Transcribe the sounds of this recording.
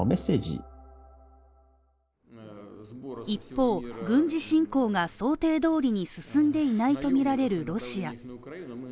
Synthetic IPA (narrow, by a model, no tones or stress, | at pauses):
me̞sːeːd͡ʑḭ | ipːo̞ːɡɯ̟̃ɲ̟d͡ʑiɕĩŋko̞ːɡaso̞ːt̪e̞ːd̪o̞ːɾʲiɲ̟isɨsɨ̃nd̪e̞inait̪o̞mʲiɾaɾe̞ɾɯ̟ɾo̞ɕia